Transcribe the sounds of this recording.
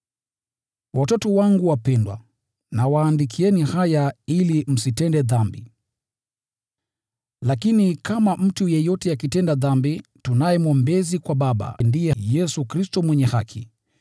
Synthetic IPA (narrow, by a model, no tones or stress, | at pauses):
watɔtɔwaŋɡuwapɛndwa̰ | nawaːndikʰiɛnihajailim̩sitɛndɛðambi | lakinikamam̩tujɛjɔtɛakitɛndaðambitunajɛmwɔmbɛzikwaɓaɓa̰ndijɛjɛsukɾistɔmwɛɲɛhakʰi